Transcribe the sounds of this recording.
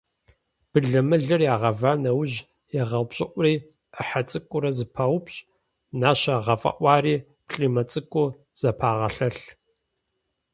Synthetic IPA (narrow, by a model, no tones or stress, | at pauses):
b̥ɨɮɐmɨɮɐrjaːʁɐvaːnɐwʑ | jɛʁɐwpɕʼɪʔʷʊriː | əħat͡sʼɨkʷʼʊɾɐzɨpʰɐwʊpɕʼ | naːɕɐʁɐfʼɐ̰ʔʷɑːriː | pɬʼiːmɐt͡sʼɨkʷʼʊ | z̥ɐpʰaːʁɐɬɐɬ